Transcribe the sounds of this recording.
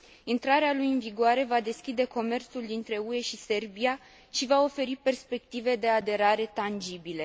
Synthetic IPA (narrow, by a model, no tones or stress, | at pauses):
int̪ɾaɾealujɨnviɡoaɾe̞vad̪e̞skʲid̪e̞ko̞me̞rt̪suld̪int̪ɾe̞ue̞ʃise̞rbia | ʃivao̞fe̞ɾipe̞rspe̞k̚t̪ive̞d̪e̞ad̪e̞ɾaɾe̞t̪and͡ʒibile̞